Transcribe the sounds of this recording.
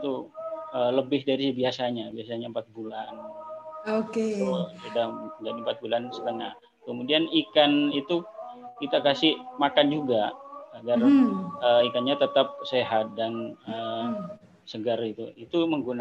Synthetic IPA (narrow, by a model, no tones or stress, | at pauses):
t̪uələbɪhdaɾibiasaɲabiasaɲaəmpat̪̚bulan | okesudahd͡ʒadimpat̪̚bulansə̥t̪əna | kəmudianikanit̪ukit̪akasɪhmakand͡ʒuɡaaɡarəikanɲat̪ət̪ap̚seɦat̪̚danə | səɡarɡit̪uit̪uməŋɡuna